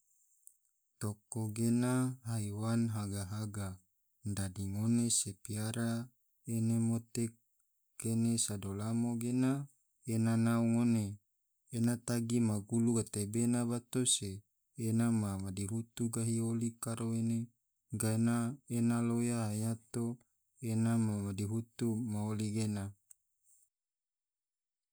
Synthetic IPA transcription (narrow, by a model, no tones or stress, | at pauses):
t̪okoɡenaɦaiwanɦaɡaɦaɡa | ndadiŋonesepiaɾa | enemot̪e | kenesadolamoɡena | enanauŋoneː | nat̪aɡimaɡuluɡat̪ebenabat̪oseː | namamadiɦut̪uɡaɦiolikaɾoene | ɡanaenalojaajat̪o | enamamadiɦut̪umaoliɡena